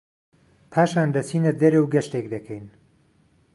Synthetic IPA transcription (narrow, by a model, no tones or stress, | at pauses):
pʰaːʃaːnd̪ɐt͡sʰiːnɐd̪ɐɾewɡɐʃt̪ekd̪ɐkʰɛjn